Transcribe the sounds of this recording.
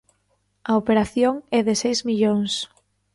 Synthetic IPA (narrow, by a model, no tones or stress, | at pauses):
ɐopeɾaθjoŋɛðɪsejzmiʎoŋs